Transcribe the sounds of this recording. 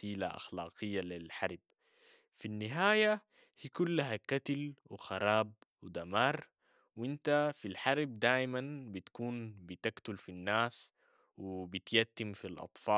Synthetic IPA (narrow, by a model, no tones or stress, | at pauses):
iːla̰ʔa̰xlɑːqɨjːalilħɑɾˤb̥ | finːɪɦaːja | hiːkulːaɦakat̪alwixɑɾˤɑːb̚wid̪amɑːɾˤ | wint̪afilħɑɾˤb̚d̪aːjmanbit̪kuːnbit̪akt̪ulfinːaːs | wibit̪jat̪ːimfilʔɑ̰t̪ˤfɑː